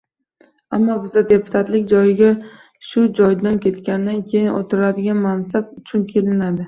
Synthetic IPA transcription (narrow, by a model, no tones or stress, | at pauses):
amːɒbɪzad̪e̞pʰʊ̥t̪ʰat̪lɪkʲd͡ʒɒjɪɡʲa | ʃʊd͡ʒɒjd̪ankʲʰe̞t̪kʲanɪd̪ankʲʰe̞jɪno̰t̪ʰɪɾad̪ɪɡʲanmansab̚ʊt͡ʃʰʊnkʲʰe̞lɪnad̪ɪ